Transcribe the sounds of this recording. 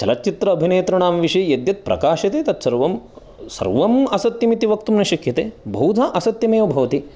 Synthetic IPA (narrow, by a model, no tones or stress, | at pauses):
t͡ʃɐlɐtːt͡ʃːit̪ɾɐːbʱineːt̪ɾɐɳaːmʋiʂɐjjɐd̪jɐt̪̚pɾɐ̰kaːʃɐt̪eːt̪ɐt̪sɐɾʋɐm | sɐ̰ɾʋɐmɐsɐt̪jɐmit̪iʋɐk̚t̪umnɐʃɐkʰjɐt̪eːbʱɐwd̪ʱaʔɐsɐt̪jɐmeːʋɐbʱɐʋɐt̪i